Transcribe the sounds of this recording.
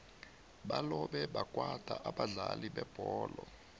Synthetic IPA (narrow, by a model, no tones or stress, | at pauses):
ɓalɔɓɛɓakʼwad̥ʱaʔaɓaɮaliɓɛb̥ʱɔːlɔ